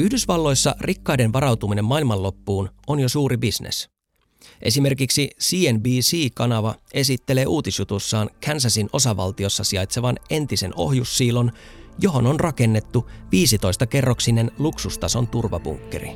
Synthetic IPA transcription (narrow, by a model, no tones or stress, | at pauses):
yhdysʋɑlːo̞jsːɑrʔikːɑjde̞nʋɑɾɑwt̪umine̞mːɑilmɑlo̞pːuːno̞njosuːɾibisnḛs | ʔe̞̰sime̞rkiksisiːenbiːsiːkɑnɑʋɑe̞sit̪ːe̞le̞ːʔuːt̪isjut̪usːɑːnkʰænsæsino̞sɑʋɑ̰lt̪io̞sːɑsiɑjt̪se̞ʋɑne̞nt̪ise̞no̞̰ɦjusːiːlo̞njo̞ɦo̞nonrʔɑke̞nːe̞t̪ːuʋiːsit̪o̞jst̪ɑke̞rːoksine̞nluksust̪ɑso̞nt̪urʋɑ̰bṵŋkːe̞̰ɾḭ